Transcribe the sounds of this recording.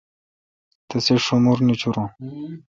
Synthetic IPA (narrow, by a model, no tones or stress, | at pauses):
t̪ɐseʂumuɾnit͡ɕʰuɾõ